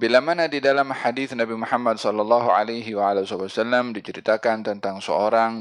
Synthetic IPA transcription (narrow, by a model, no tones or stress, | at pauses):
bilamanadidalamhadiθnabimuħamːad̪̚sɔlːɑlːɑɦua̰lajɦiwaalasɔbasalːamdit͡ʃəɾit̪akant̪ənt̪aŋsə̰oɾaŋ